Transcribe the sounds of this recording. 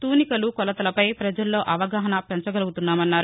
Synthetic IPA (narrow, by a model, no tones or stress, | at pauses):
t̪uːnikɐlukɔlɐt̪ɐlɐpɐjpɾɐd͡ʒɐlːo̞ːʔɐʋɐɡaːɦɐnɐpɛnt͡ʃɐɡɐluɡut̪unːaːmɐnːaːɾu